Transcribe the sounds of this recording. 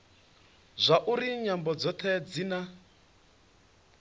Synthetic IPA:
zʷaʔuɾiɲambɔd͡zɔt̪ʰɛd͡zina

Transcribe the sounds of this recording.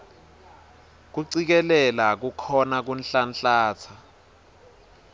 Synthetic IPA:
k̬uǀik̬ɛlɛlak̬ukʰɔnak̬unɬanɬaːt͡sʰa

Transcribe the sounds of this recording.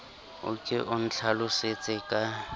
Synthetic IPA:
ʊ̰kʼɪʔʊn̩t͡ɬʰalʊset͡sʼɪkʼa

